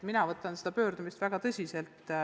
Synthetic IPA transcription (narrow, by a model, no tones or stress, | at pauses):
minɑvɤt̪ːˑɑnsed̪̥ɑpø̞ːɾd̪umist̪væɡ̥ɑt̪ɤsʲise̞lt̪ˑ